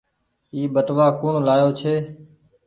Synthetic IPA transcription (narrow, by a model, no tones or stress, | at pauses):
iːɓəʈʋaːkʊːɳlaːjoːt͡ʃʰeː